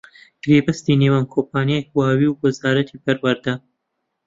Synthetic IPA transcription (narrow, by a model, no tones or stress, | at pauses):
ɡ̥ɾeːbɐst̪iːneːwaːnkʰoːpʰaːnjak̚waːwiːwwɐzaːɾɐt̪ʰipʰɐɾwɐɾd̪ɐ